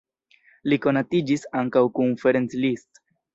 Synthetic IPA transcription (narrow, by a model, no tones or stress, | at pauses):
liko̞natid͡ʒisaŋkawkunfeɾent͡slist